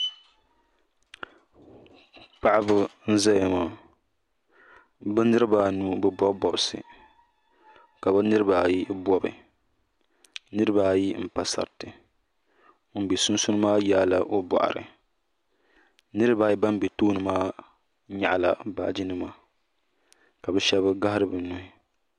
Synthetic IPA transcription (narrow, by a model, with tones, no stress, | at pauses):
pa˦ʔɪ˦bɨ˦n̩˦za˦ja˨ma˨ | bɨ˦n˦nɨ˦ɾɨ˦baː˦nu˨bɨ˦bɔ˦bbɔ˨bsɨ̰˨ | ka˨ba˦nɨ˦ɾɨ˦baː˨ji˦bɔ˦bɨ̰˨ | nɨ˦ɾɨ˦baː˦ji˦m̩˨pa˨sa̰˨ɾtɨ˨˦ | m̩˨be˨sʊ˦n˦sʊ˦nɨ˦maː˦ja˦la˨ʔo˦bɔ̰˨ʔa̰˨ɾɨ̰˨ | nɨ˦ɾɨ˦baː˨ji˦ba˦m˦be˨toː˦nɨ˨maː˦ | ɲa˦˨ʔla̰˨ba̰ː˨d͡ʒi˦nɨ˦ma˦˨ | ka˨bɛ˦ʃɛ˦bɨ˦ɡa˦ha˦ɾɨ˦bɨ˨nu˨hɪ˨